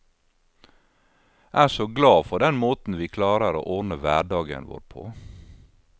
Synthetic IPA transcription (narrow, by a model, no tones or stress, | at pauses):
ʔæːsoːɡlɑːfɔɖɛnmoːt̪n̩ʋiːkʰlɑːɾəɾo̰ːʔɔnəʋæːɖɑːɡə̰nʋo̰ːɾpʰo̰ː